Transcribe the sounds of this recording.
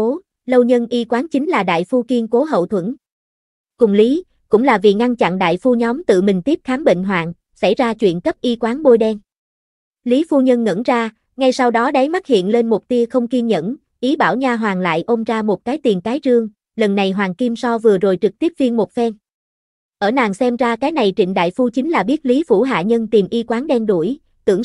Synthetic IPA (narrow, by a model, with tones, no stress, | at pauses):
o˨˦ | lə˧wɲə˧nʔi˧kwaː˨˦nt͡ɕï˨˦ŋ̟laː˨˩ɗa̰ː˧˨jfu˧ki˧nko˨˦ɦə̰˧˨wt̪ʰwə˧˩n | kʊ˨˩ŋ͡mli˨˦ | kʊ̰˧˥ŋ͡mlaː˨˩vḭ˨˩ŋa˧nt͡ɕa̰˧˨nɗa̰ː˧˨jfu˧ɲɔ˨˦wmt̪ɨ̰˧˨mï˨˩ŋ̟t̪i˦˥əp̚xaː˨˦mɓḛ˧˨ŋ̟ɦwa̰ː˧˨n | sa̰˧˩jzaː˧t͡ɕwḭ˧˨ənkə˦˥p̚ʔi˧kwaː˨˦nɓo˧jɗɛ˧n | li˨˦fu˧ɲə˧nŋə̰˧˥nzaː˧ | ŋa˧jsa˧wɗɔ˨˦ɗa˨˦jma˦˥t̚hḭ˧˨ənle˧nmʊ˨˩p̚t̪i˧əxə˧wŋ͡mki˧nɲə̰˧˥n | ʔi˨˦ɓaː˧˩wɲaː˧ɦwaː˨˩ŋla̰ː˧˨jʔo˧mzaː˧mo˨˩t̚kaː˨˦jt̪i˨˩ənkaː˨˦jt͡ɕɨ˧əŋ | lə˨˩nːa˨˩jɦwaː˨˩ŋki˧msɔ˧vɨ˨˩əzo˨˩jt͡ɕɨ˨˩k̚t̪i˦˥əp̚vi˧ənmo˨˩t̚fɛ˧n | ʔəː˧˩na̰ː˨˩ŋsɛ˧mzaː˧kaː˨˦jna˨˩jt͡ɕḭ˧˨ŋ̟ɗa̰ː˧˨jfu˧t͡ɕi˨˦ŋ̟laː˨˩ɓi˦˥ət̚li˨˦fṵ˧˩ɦa̰ː˧˨ɲə˧nt̪i˨˩mʔi˧kwaː˨˦nɗɛ˧nɗu˧˩əj | t̪ɨ̰˧˩əŋ